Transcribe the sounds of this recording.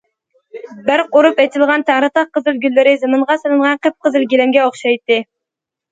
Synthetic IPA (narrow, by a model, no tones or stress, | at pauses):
bɪɾqoɾupɛt̪ʰɪlˠʁɑnt̪ʰæŋɾɨt̪ɑqqːəzɨlˠɡʲylːɪɾɪzɨmɨɴʁɑsɨlˠɨɴʁɑnqʰəp̚qʰəzɨlɡʲilɪmɡʲɛoχʃɑjt̪ːɨ